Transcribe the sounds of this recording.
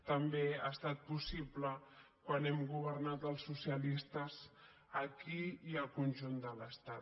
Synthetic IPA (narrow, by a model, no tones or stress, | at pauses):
t̪əmbeast̪at̪̚pusiplə | kwanɛmɡuβ̞əɾnat̪əlˠsːusiəlist̪əz | əkiiəlˠkunʒund̪ələst̪a